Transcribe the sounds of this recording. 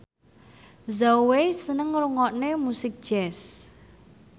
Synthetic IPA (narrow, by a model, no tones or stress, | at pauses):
zawesənəŋɾuŋɔʔnemusɪk̚d̥ʒ̥ɛs